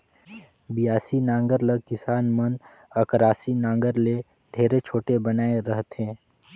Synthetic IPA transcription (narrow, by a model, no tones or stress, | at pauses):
bijaːsinãːŋɡəɾləɡ̚kɪsaːnmən | ɐkɾaːsinãːŋɡəɾle | ɖʱeːɾet͡ʃʰoːʈebənaːeɾəɦt̪ẽː